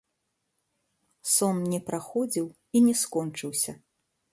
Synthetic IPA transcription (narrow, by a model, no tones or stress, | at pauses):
sɔnnʲɛpɾaxɔd͡zʲiw | inʲɛskɔnt͡ʂɨwsʲɐ